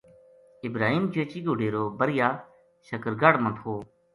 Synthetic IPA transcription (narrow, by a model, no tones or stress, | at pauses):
ɪbɾaːɦiːmd͡ʒʰeːt͡ʃiːɡʊɽeːɾoːbəɾɪjaː | ʃəkəɾɡəɽmə̃t̪ʰɦoː